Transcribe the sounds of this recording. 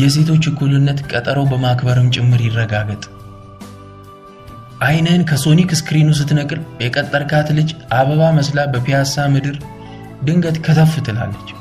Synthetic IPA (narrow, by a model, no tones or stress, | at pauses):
jɛs̬e̞t̪ʰo̞t͡ʃːɨkʰːulɨnːət̪kʼət̪ʼəɾo̞bəmakbəɾɨmt͡ʃʼɪmːɨɾjɪrːəɡaɡət̪ʼ | ʔajnənkʰəso̞nikskɨɾinus̬ɨt̪nəkʼɨljɛkʼət̪ʼːəɾkʰat̪lɨd͡ʒʔaβəβaməslabəpʰijasamɨd̪ɨɾ | d̪ɨŋɡət̪kʰət̪ʰəfːɨt̪ʰɨla̰lːət͡ʃː